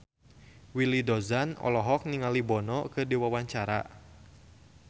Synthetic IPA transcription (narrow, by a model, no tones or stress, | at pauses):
wilidɔzanɔ̰lɔɦɔk̚niŋalibɔnɔkɨdiwawaɲt͡ʃaɾa̰